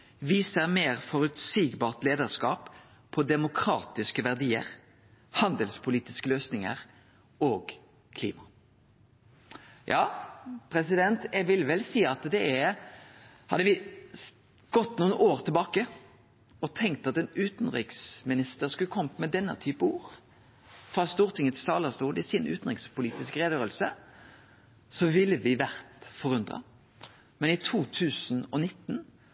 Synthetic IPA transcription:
ʋiːsəʁmeːʁfɔʁʉt̪siːɡbɑːʁt̪leːd̪əʁskɑːp | pʰːɔd̪ɛmʊkʰɾɑ̰ːt̪ɪskəʋæʁd̪iːə̰ʁ | hɑnd̪əlspʰʊliːt̪ɪskəløːsnɪŋə̰ʁ | oːɡ | kʰlḭːmɑ | jʔɑːpʰɾɛsɪd̪ɛnt̪jɛɡʋɪlʋɛlsiːɑt̪d̪ɛæ | hɑd̪ːəʋɪ | ɡ̥ɔt̪ːnuːnʔoːʁt̪ʰɪlbɑːkə | ɔt̪ʰɛŋk̚t̪ɑt̪ɛnʉːt̪n̩ʁɪ̰ksmɪnɪst̪əʁskʉlːəkʰɔməmɛd̪ɛnːə̰t̪ʰyːpəuːɾ | fʁɑst̪uːʁt̪ʰɪŋət̪ʰɪsɑːlɑst̪uːd̪ɪsɪnʔʉ̰ːt̪n̩ʁɪŋspʰʊliːt̪ɪskʁeːd̪øːəlsə | sɔʋɪlːəʋɪʋæʁt̪fɔʁʉnd̪ʁɑ̰ | mɛnɪt̪ʰuːt̪ʰʉːsnɔnɪt̪ːn̩

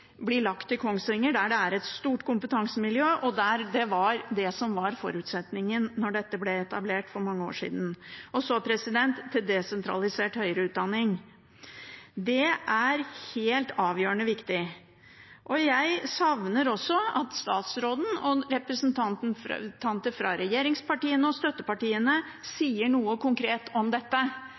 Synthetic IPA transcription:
blɪɭɑkt̪ːɪkʰɔŋsɾɪŋːəɖæɖɛæɾɛt̪st̪uːʈkʊmpət̪ʰɑŋsəmɪljøːʔɔd̪æɾd̪ɛʋɑɾd̪ɛsɔmʋɑɾfɔ̰ɾʉːt̪sɛt̪nɪŋənːɔɖɛt̪ːəblɛɛt̪ɑbleːʈfɔɾmɑŋːəo̰ːʂḭːd̪n̩ɔsɔpʰɾɛsɪd̪ɛnt̪ʰːɪld̪ɛsɛnt̪ʰɾɑ̰lɪseːʈhœʏəɾəʉːt̪̚d̪ɑnːɪŋ | d̪ɛʔæɾheːlt̪ʰɑːʋjøːəɳəʋɪkt̪ɪ | ʔɔjæɪsɑʋnəɾɔsːɔɑt̪st̪ɑːt̪sɾoːd̪n̩ɔɾɛpɾəsnt̪ʰɑnt̪nt̪ʰɑnt̪əfɾɑɾɛjeːɾɪŋspɑʈiːənəɔst̪œt̪ːəpɑʈiːənə | siːəɳuːəkʊŋkʰɾeːt̪ʰɔmd̪ɛt̪ːə

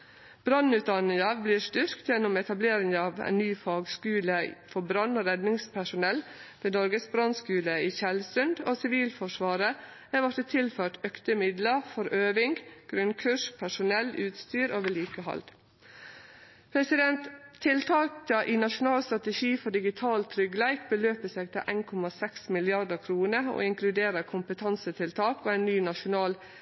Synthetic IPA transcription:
b̥ɾɑnʉːt̪̚d̪ɑnɪŋɑbliːɾst̪ʏɾkt̪jɛnʊmɛt̪ɑbleːɾɪŋɑːʋæ̰ɪnnyːfɑːɡskʉːləfɔbɾɑnoːɾɛd̪nɪŋspʰæʂʊnɛlʋeːnɔɾɡəsbɾɑnskʉːləiːçɛlsʉnd̪oːsɪʋiːlfɔʂʋɑːɾə | æʋɔt̪ət̪ʰɪlføːʈœkt̪əmɪd̪ləfɔɾøːʋɪŋɡɡ̥ɾʉnkʰʉʂpʰæʂʊnɛlːʉːt̪st̪yːɾoːʋəɭiːkəhɑ̰ld̪̥ | pʰɾɛsɪd̪ɛnt̪ʰːɪlt̪ʰɑːkt̪ɑʔiːnɑʃʊnɑːlst̪ɾɑt̪əʃiːfɔɖɪɡɪt̪ʰɑːlt̪ʰɾʏɡlæɪkbəløːpəsɛɡt̪ɑʔæɪnkʰɔmɑsɛksmɪlɪɑd̪əkʰɾuːnəo̰ːɪŋklʉd̪eːɾəkʰʊmpət̪ʰɑnsət̪ʰɪlt̪ʰɑːkoːæɪnnyːnɑʃʊnɑːl

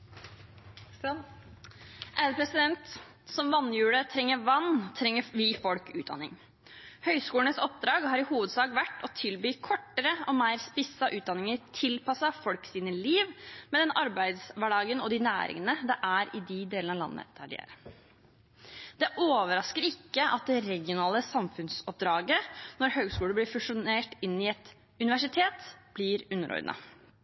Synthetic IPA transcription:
ʔæpʰɾɛsɪd̪ɛnt̪ | sɔmʋɑnːjʉːɽət̪ʰɾɛŋːəɾʋɑnːt̪ʰɾɛŋːəʋiːfɔlkʉ̰ːt̪̚d̪ɑ̰nɪ̰ŋ | hœʏskuːləɳəsɔp̚d̪ɾɑːɡhɑːɾɪhuːʋəd̪sɑːɡʋæʈːɔt̪ʰɪlbyːkʰɔʈːəɾəɔmeɪɾspɪsɑʔʉːt̪̚d̪ɑnɪŋəɾt̪ʰɪlpɑsɑfɔlksiːnəliːʋmɛd̪ɛnʔɑɾbæɪd̪sʋæɖɑːɡənɔd̪ɪnæ̰ːɾɪ̰ŋənəd̪ɛʔæɾɪd̪ɪd̪eːlnɑʋlɑ̰nːə̰t̪ʰæɖɪ̰eæ̰ːɾə | d̪̥ɛʔoːʋəɾɑskəɾɪkːəɑt̪̚d̪ɛɾɛɡɪʊnɑːləsɑmfʉnsɔp̚d̪ɾɑːɡənɔɾhøːɡskuːləlɪfʉʂʊneːʈɪnːɪɛt̪ | ʉnɪʋæʂɪt̪ʰeːt̪b̥lɪɾʉnːəɾɔ̰ʏd̪nə̰

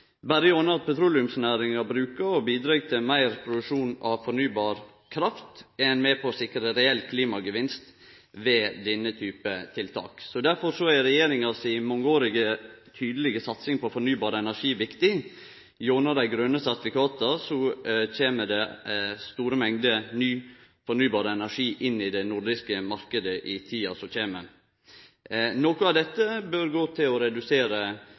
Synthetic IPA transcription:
bæɾəjonəɑt̪̚pʰɛt̪ʰɾuːlɪʉmsnæːɾɪŋɑbɾʉːkəɾɔbiːd̪ɾɑːɡt̪ʰɪlmæɪɾpʰɾʊd̪ʉʂuːnɑʋfɔɾnyːbɑːɾ | kʰɾɑft̪ɛnmɛpʰɔsɪkɾəɾɛɛlːkʰliːmɑɡəʋɪnst̪ | ʋɛːd̪ɛnːət̪ʰyːpət̪ʰɪlt̪ʰɑ̰ːksɔd̪æɾfɔɾsɔæɾɛjeːɾɪŋɑsɪmɔŋːəoːɾɪɡət̪ʰyːd̪əlɪɡəsɑt̪sɪŋpʰɔfɔɾnyːbɑːɾəɛnæʂiːʋɪkt̪ɪ | jʊɾnəd̪æɪɡɾœnːəsæɾt̪ɪfɪkɑːt̪əsɔc͡çeːməd̪ɛst̪uːɾəmɛŋd̪ənyː | fɔnyːbɑːɾəɛnæʂiːʔɪnːɪd̪ɛnʊɾd̪ɪskəmɑɾkəd̪əʔɪt̪ʰiːɑsɔc͡çeːməɾ | nɔkʊɑʋd̪ɛt̪ːəbøɾɡoːt̪ʰɪlɔɾɛd̪ʉseːɾə

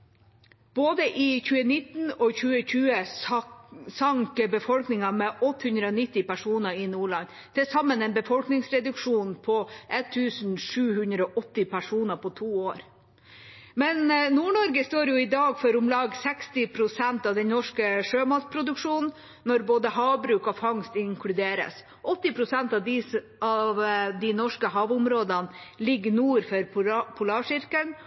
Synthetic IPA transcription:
b̥oːd̪əʔɪçʉːənɪt̪nɔçʉːəçʉːə | sɑŋkbəfɔlknɪŋɑmɛʔɔt̪ːəhʉnd̪ɾəɔnɪt̪ːɪpæʂuːnəɾɪnuːɭɑn | t̪ʰɪsɑmːənɛnbəfɔlknɪŋsɾɛd̪ʉkʂuːnpʰɔʔɛt̪ʰːʉːsn̩ʂʉːhʉnd̪ɾəɔʔɔt̪ːɪpʰæʂuːnəpʰɔt̪ʰuːoːɾ | mɛnnuːɳɔɾɡəst̪oːɾjʊɪd̪ɑːɡfɔɾʊmlɑːɡsɛkst̪ɪpʰɾʊsɛnt̪ɑʋd̪ɛnnɔʂkəʂøːmɑt̪̚pʰɾʊd̪ʉkʂuːnnː | ɔɾboːd̪əhɑːbɾʉːkɔfɑŋst̪ɪŋkʰlʉd̪eːɾə̰s | ʔɔt̪ːɪpʰɾʊsɛnt̪ɑʋd̪ɪ | ɑʋd̪ɪnɔʂkəɦɑːʋʊmɾoːd̪ɑnlɪɡnuːɾfɔɾpʰʊlɑːʂɪɾkən

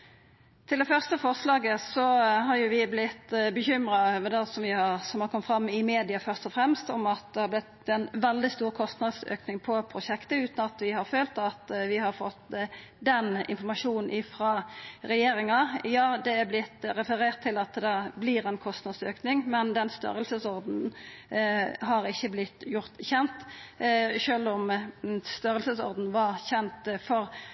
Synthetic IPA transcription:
t̪ʰɪld̪ɛfœʁst̪əfɔʁslɑːɡəsɔhɑɾjʊʋɪblɪt̪ːbəçʏmɾɑʋɛd̪ɛsɔmʋɪhɑsɔmhɑɾkʰɔmət̪fʁɾɑmːɪmeːd̪ɪɑfœʁst̪ɔfɾɛmst̪ɔmɑt̪̚d̪ɛhɑɾblɪt̪ɛnʋɛld̪ɪst̪uːɾkʰɔst̪nɑd̪sø̰ːknɪŋpʰɔpʰɾʊʂɛkt̪əʉːt̪n̩ɑt̪ʋɪhɑɾføːlt̪ɑt̪ʋɪhɑɾfɔt̪ː | d̪ɛnɪ̰nfɔɾmɑʂuːnn̩ʔɪfɾɑɾɛjeːɾɪŋɑjɑːd̪ɛæblɪt̪ːɾɛfəɾeːʁt̪ʰːɪlɑt̪d̪ɛbliːɾɛnkʰɔst̪nɑd̪søːknɪŋmɛnd̪ɛnst̪œ̰ɾəlsəsɔɾd̪n̩ | ɦɑɾɪçːəblɪt̪ːjʊʁt̪çɛnt̪ | ʃøːlɔmst̪œɾəlsəsɔ̰ʁd̪n̩ʋɑɾçɛnt̪fɔɾ

